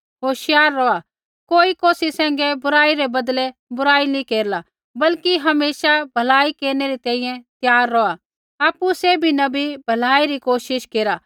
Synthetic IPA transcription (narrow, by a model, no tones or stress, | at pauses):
ɦoːʃɪjaːɾːɔa | koːikoːsisɛ̃ːŋ̆ɡɛbʊɾaːiɾɛbɐd̪lɛbʊɾaːinikeːɾla | bɐlkiɦɐmeːsabʱɐlaːikeːɾnɛɾit̪ɛ̃ːĩjɛ̃t̪jaːɾːɔa | aːpːusebʱinɐbʱibʱɐlaːiɾikoːʃɪʃkeːɾa